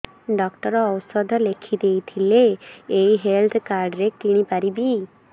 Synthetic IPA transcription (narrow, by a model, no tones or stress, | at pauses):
ɖɔkʈɔɾɔːwsɔd̪ʱɔlekʰid̪ejt̪ʰileːiɦelt̪ʰkaɾɖɾek̚t̪iɽ̃ipaɾibi